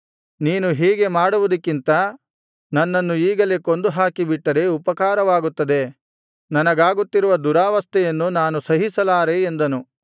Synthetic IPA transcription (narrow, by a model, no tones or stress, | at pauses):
niːnuɦiːɡe̞maːɽuʋud̪ɐkːint̪ɐ | nɐnːɐnːuiːɡɐleko̞nd̪uɦaːkibiʈːɐɾe̞upɐkaːɾɐʋaːɡut̪ːɐd̪e̞ | nɐnɐɡaːɡut̪ːiɾuʋɐd̪uɾaːʋɐst̪ʰɛjɐnːunaːnusɐɦisɐlaːɾe̞ːnd̪ɐnu